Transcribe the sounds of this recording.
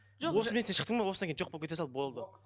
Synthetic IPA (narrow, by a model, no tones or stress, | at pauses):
ʒwosmeenʃəqt̪əɴmɑwo̞sɑŋkʰʲejnʒo̞qbopkʰʲet̪esɑlˠbo̞lˠd̪ə